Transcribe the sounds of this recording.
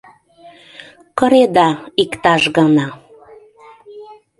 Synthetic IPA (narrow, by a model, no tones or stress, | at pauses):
kɤ̆ɾed̪ɑikt̪ɑʃɣɑnɑ